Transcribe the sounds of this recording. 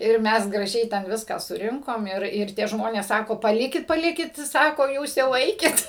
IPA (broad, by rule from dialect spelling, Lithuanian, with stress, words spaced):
ɪr ˈmʲɛs ɡrɐˈʒʲɛɪ tʲɛn ˈʋʲɪskɑː sʊˈrʲɪŋkoːm ˈɪr ɪr ˈtʲiɛ ˈʒmoːnʲeːs ˈsɑːkoː pɐˈlʲɪkʲɪt pɐˈlʲɪkʲɪt ˈsɑːkoː ˈjuːs jɛʊ ˈɛɪkʲɪt